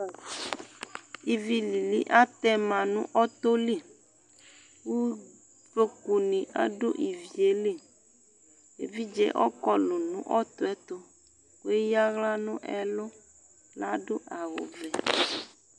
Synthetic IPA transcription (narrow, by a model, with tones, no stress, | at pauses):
i˨vi˨li˨lḭ˦ʔa˦t̪ɛ˦mã˨nũ˦ʔɔ˦t̪o˦li˦˨ | wu˦ | ve˦ku˨nĩ˨ʔa̰˦ɖo˦ʔi˨vi˨e˨li˦˨ | e˨vi˦d͡ʒɛ̰˦ʔɔ̰˦kɔ˦lu˨nṵ̃˦ʔɔ˦t̪o˨ɛ˦t̪o˦ | ko˦e˦ja˦ɣla˦nũ˦ʔɛ̰˦lo˦ | la˦ɖo˦ʔa˨wo̰˨vɛ˨